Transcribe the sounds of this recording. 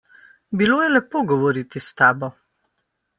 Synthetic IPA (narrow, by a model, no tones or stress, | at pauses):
biloːjɛlɛpoːɡɔʋɔɾiːt̪ist̪aːbɔ